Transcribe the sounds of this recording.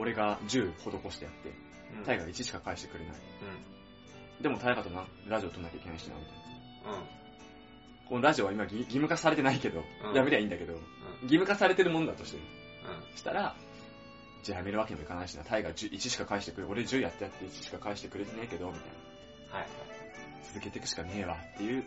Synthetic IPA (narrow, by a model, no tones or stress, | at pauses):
o̞ɾe̞ɡad͡ʑɨːhod̪oko̞ɕi̥t̪e̞jat̪ːe̞̰ | aiɡait͡ɕiɕi̥kakaiɕi̥t̪e̞kɯ̟ɾe̞na̰ḭ | d̪e̞mo̞t̪aeɡat̪omna | ɾaʑio̞t̪onːakʲaikeaiɕina̰mok̪ant̪ː | ko̞noɾaʑio̞βaimaɡʲiɡʲimɯ̟kasaɾe̞t̪e̞naike̞d̪o̞jameɾeaĩːnd̪ake̞d̪o̞ɡʲimɯ̟kasaɾe̞t̪e̞ɾɯmo̞nod̪at̪o̞ɕi̥t̪emit̪ː | ɕi̥t̪a̰ɾa | d͡ʑajame̞ɾɯ̟βakeɲimoikanaiɕina̰t̪ʰaiɡad͡ʑɨːʔit͡ɕiɕi̥kakaiɕi̥t̪e̞kɯ̟ɾeo̞ɾe̞ʑɨːjat̪ːejat̪ːeit͡ɕi̥ɕi̥kakaiɕi̥t̪e̞kɯ̟ɾe̞t̪e̞neike̞d̪o̞mʲit̪a̰ḭna | haj | t͡sɨzɨke̞t̪e̞kɯ̟̥ɕi̥kane̞ːβat̪ːe̞jɯ̟ː